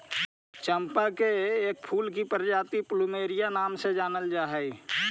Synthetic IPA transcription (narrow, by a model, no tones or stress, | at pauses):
t͡ʃəmpakeeːk̚pʰuːlk̬ipəɾd͡ʒaːt̪iplumeːɾijanaːmsed͡ʒaːnəld͡ʒaːɦɛi